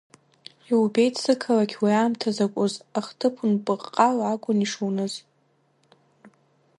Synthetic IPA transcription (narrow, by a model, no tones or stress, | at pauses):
iube̞jtʰʼsɨkʰalakʲʰwiaːmtʰazakʷʼʊzaχtʰɨpʰunpʼɨqʼqʼalaɡʷʼʊniʂownɨz